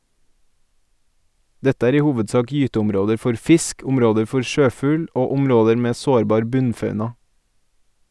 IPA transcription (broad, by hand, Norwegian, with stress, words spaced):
ˈdɛtə ˈæːɾ ˈiː ˈhuːʋədˌsɑːk ˈjyːtəʊmˌɾoːdəɾ ˈfɔɾ ˈfɪsk ˈʊmˌɾoːdəɾ ˈfɔɾ ˈʃøːˌfʉːl ˈoː ˈʊmˌɾoːdəɾ ˈmeː ˈsoːɾˌbɑːɾ ˈbʉnˌfɑʉnɑ